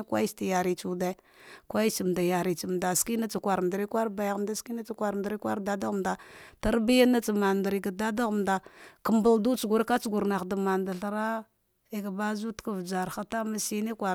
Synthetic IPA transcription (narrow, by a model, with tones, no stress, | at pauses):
kwa̰˦i˦sti˨ja˨ɾi˨t͡su˨da˦ | kwa˦i˦si˨m˨da˨ja˨ɾi˨t͡ʃi˨m˨da˨ski˦na˦t͡sa˨kʷa˨ɾm˨dɾi˦kʷa˦ɾba˨jɣa˨mda˦ski˦na˦t͡sa˦˨kʷa˨ɾdɾi˦kʷa̰˦ɾda˦da˦ɣmda˨ta˦ɾbi˦ja˦na˦t͡sa˨ma˨n˨da˨ɾi˨ɡa˨da˦da˦ɣmda˨kə˨mba˨ldu˦t͡ʃu˨ɡu˨ɾka˦t͡sɡu˨ɾna˨da˨ma˨nda˨ɬɾa˦ | e˨ɡa˨ba˦zu˦tka˦˨vd͡ʒa˨ɾxa˦ta˦ma˨si˦ni˦kʷa˨